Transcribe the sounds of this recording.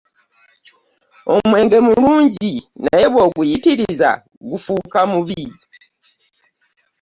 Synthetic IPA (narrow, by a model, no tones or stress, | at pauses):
o̞̰mwe̞ːŋɡe̞muluːɲɟina̰je̞βwo̞ːɡujitiɾiza̰ | ɡufuːkamuβi